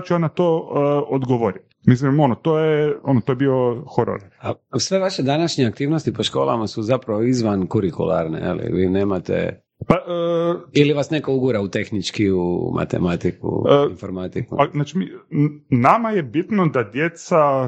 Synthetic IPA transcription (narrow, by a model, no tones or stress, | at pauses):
t͡ʃuanat̪oːod̪ɡoʋoɾit | mislimo̞not̪ojeonot̪o̞jbioxoɾo̰ɾiasʋeʋaʃed̪anaʃɲeakt̪iːʋno̞st̪ipoʃko̞̰ːlˠa̰masuzapɾaʋoizʋankuɾikṵlˠa̰ːɾnḛjḛlḭʋiːneːmat̪ḛ | paʔəiliʋasneko̞uɡuɾaut̪e̞xnit͡ʃkiumʔa̰t̪e̞̰mat̪ikṵinfoɾmat̪ikṵpaznat͡ʃimi | namajebit̪nod̪ad̪jet̪sa